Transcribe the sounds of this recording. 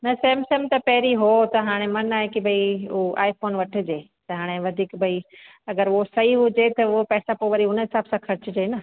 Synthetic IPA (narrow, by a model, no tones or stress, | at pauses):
nɐsɐːmsɐmt̪ɐpɐɦɾiɦot̪ɐɦaːɽ̃emɐnaːɦekibʱɐioʔa̰ːifoːnʋɐʈʰɪ̆d͡ʑeː | t̪ɐɦaːɽ̃eʋɐd̪ʱiːkbʱɐi | ɐɡəɾosɐiɦʊd͡ʑet̪ɐʊopɛːsapoːʋɐɾiɦʊnɦɪsaːbsãkʰɐɾɪt͡ɕd͡ʑeːnɐ